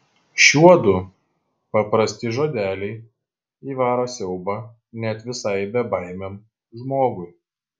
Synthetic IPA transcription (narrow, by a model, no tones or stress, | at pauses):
ʃʲuɔd̪ʊ | pɐpɾɐsʲt̪ʲɪʒoːd̪ʲæːlʲɛɪ | iːʋɑːɾoːsʲɛʊbɑ | nʲɛt̪ʋʲɪsɐɪbʲɛbɐɪmʲem | ʒmoːɡʊɪ